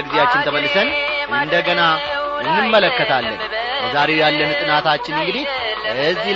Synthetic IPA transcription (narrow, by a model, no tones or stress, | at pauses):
əɡizeat͡ʃːɪnt̪ʰəməlːɨsənʔɨnd̪əɡənaɨnːɨmːələkːət̪ʰalːə̰njəzaɾe̞wjalːənt̪ʼɨnat̪ʰat͡ʃːɪnɨŋɡɨd̪ih | ɨzːi